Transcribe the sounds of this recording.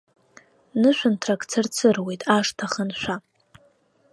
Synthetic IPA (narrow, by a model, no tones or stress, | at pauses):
nɨʃʷᶣantʰrakʼt͡sʰɨrt͡sʰɨrwe̞jtʼaʂtʰaχənʃʷᶣa